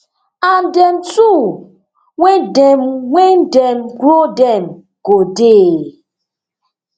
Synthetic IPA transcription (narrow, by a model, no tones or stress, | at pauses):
an̩dɛmtu | wedɛmwendɛmɡɾodɛm | ɡodeː